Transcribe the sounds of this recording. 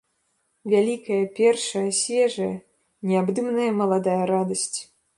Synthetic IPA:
vʲalʲikɐjɐpʲɛrʂɐjɐsʲvʲɛʐɐjɐ | nʲɛabd̪ɨmnɐjɐmɐlˠad̪ajɐɾad̪ɐsʲt͡sʲ

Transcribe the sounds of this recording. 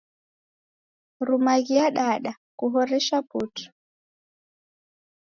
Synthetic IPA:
ɾumaɣiaɗaɗa | kuɦɔɾɛʃaputʰu̥

